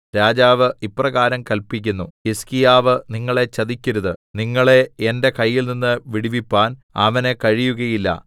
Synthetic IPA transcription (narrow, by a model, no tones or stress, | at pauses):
ɾaːd͡ʑaːʋɨipːrɐɣaːɾɐmkɐlpik̬ʲːunːuiskijaːʋɨniŋːɐɭe̞t͡ɕɐðikʲːuɾuðɨniŋːɐɭe̞ende̞kɐjːilninːɨʋiɽiʋipːaːnɐ̰ʋɐne̞kɐɻijuɣɐjilːɐ̰